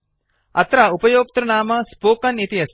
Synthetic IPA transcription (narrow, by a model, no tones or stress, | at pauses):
ɐt̪ɾaːupɐjoːk̚t̪ɾɐnaːmɐspoːkɐnit̪iɦɐs